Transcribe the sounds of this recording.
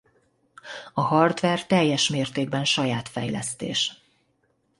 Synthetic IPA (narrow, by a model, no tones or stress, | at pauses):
ɒhɒrd̪ʋɛrt̪ɛjːɛʃmeːrt̪eːɡ̚bɛnʃɒjaːt̪fɛjlɛ̰st̪ḛːʃ